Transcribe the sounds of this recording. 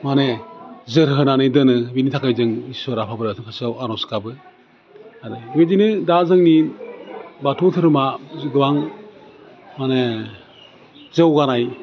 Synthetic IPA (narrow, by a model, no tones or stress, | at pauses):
manezɯɾɦɯnanɯjdɯnɯbinitʰakajzɯŋisɔɾapʰabɯɾasʰɯŋkʰasawaɾɔskabɯ | aɾɯɡedinɯdazɯŋni | batʰɔtʰɯɾɯmazduwaŋ | mane | zɯwɡanaj